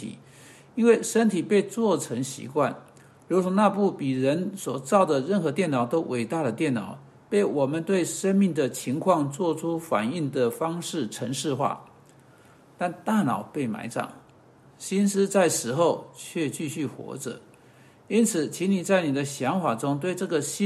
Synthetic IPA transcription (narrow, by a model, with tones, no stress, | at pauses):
ḭ˨˩ | i˥nwe˥˩ɪʂə˥nt̪ʰi˨˩pe˥˧ɪt͡swɔ˥˩ʈ͡ʂʰə˧˥ŋɕḭ˧˥kwa˥˩n | ɻu˧˥ʂɔ˧˥na˥˧pu˥˩pi˨˩ɻə˧˥nswɔ˨˩t͡sɑ˥˩ʊd̪ə˨ɻə˥˩nxɤ˧˥t̪jɛ˥˩nɑ˨˩ʊt̪o˥ʊwʔe˨˩ɪt̪a˥˩ɾə˩t̪jɛ˥˩nnɑ̰˨˩˦ʊ | pe˥˩ɪwɔ˨˩mə˨˦nt̪we˥˩ɪʂə˥nmi˥˩ŋd̪ə˩t͡ɕʰi˧˥ŋkʰwɑ˥˧ŋt͡swɔ˥˩ʈ͡ʂʰu˥fa̰˨˩ni˥˩ŋd̪ə˩fɑ˥ŋʂɻ̩˥˩ʈ͡ʂʰə˧˥ŋʂɻ̩˥˧xwa̰˥˩ | t̪a˥˧nt̪a˥˩nɑ̰˨˩ʊpe˥˩ɪma̰˧˥ɪʈ͡ʂɑ̰˨˩˦ŋ | ɕi˥nsɹ̩˥t͡sa˥˩ɪʂɻ̩˧˥xo˥˧ʊt͡ɕʰɥɛ˥˧t͡ɕy˥˧ɕy˥˩xwɔ̰˧˥ʈ͡ʂə̰˨˩ | i˥nt͡sʰɹ̩˨˩t͡ɕʰi˧˥ni˨˩t͡sa˥˩ɪni˨˩d̪ə˦ɕjɑ˧˥ŋfa˨˩ʈ͡ʂʊ˥ŋt̪we˥˧ɪʈ͡ʂɤ˥˩ɡə˨˩ɕ